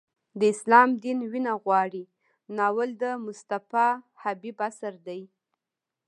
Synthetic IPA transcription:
d̪əɪslɑmd̪inwinaɣwɑɽi | nɑwəld̪əmʊst̪afɑ | habibasaɾd̪aj

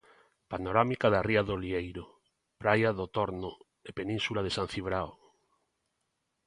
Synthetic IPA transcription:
panoɾamikaðariaðoliejɾo | pɾajaðot̪oɾno | epenĩnsulaðesãn̟θiβɾao

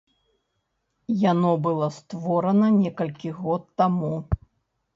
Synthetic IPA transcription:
janɔbɨlˠɔst̪vɔɾɐnɐnʲɛkɐlʲkʲiɣɔt̪ːamu

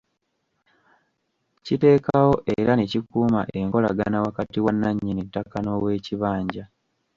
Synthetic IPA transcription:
cite̞ːkawo̞ʔeɾanecikuːma̰ʔe̞ŋko̞la̰ɡanawakatiwanːaɲːinitːakano̞we̞ːciβaːɲɟa

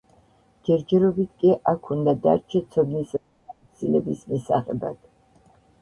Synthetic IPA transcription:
d͡ʒɛɾd͡ʒɛɾɔbit̪̚ʰkʼiʔakʰund̪ad̪a̰ɾt͡ʃʰɛt̪sʰɔd̪nis | at̪sʰilɛbismisa̰χɛba̰d̪̥

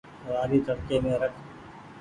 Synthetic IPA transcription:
aːɾiːt̪əɽkeːmẽːɾəkʰ

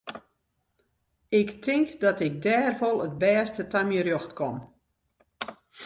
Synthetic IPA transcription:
ɪktʰɪŋkdɔtɪk̚dɛːrvolˠət̚bɛːstətamjəɾjoxtkɔm

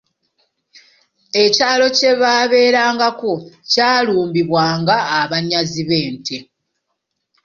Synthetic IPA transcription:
e̞caːlo̞ce̞βaːβe̞ːɾaːŋɡako̞caːluːmbiβwaːŋɡaːβaɲaziβe̞ːntʰe

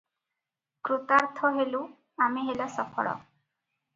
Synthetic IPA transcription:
kɾut̪aɾt̪ʰɔɦelu | amiɦelasɔkʰɔ̰ɭɔ̰

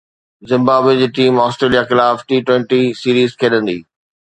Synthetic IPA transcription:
zɪ̃mbaːbwed͡ʑiːʈiːmɔːsʈɾeːlijaxɪlaːfʈiːʈwɛ̃ɳʈisiːɾiːzkʰeːɗə̃nd̪ḭː

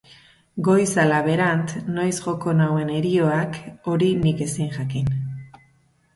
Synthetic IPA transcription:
ɡo̞jsalaβe̞ɾant̪no̞jsʝo̞ko̞nawe̞ne̞ɾio̞ako̞ɾinike̞siŋʝakin

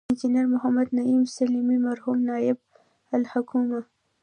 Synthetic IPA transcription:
ɪnd͡ʒiniaɾmʊɦamad̪naimsalimimaɾhumnɑjɪb̚ | alhakʰuma

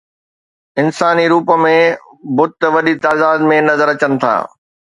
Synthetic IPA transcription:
ɪnsaːniɾuːpə̆mẽ | bʊt̪ʋɐɗit̪aːd̪aːd̪mẽnɐzəɾɐt͡ɕənɪ̆t̪ʰa̰ː

